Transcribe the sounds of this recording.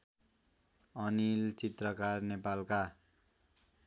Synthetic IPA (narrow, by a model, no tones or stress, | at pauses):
ʌnilt͡sit̪rʌkarnepalka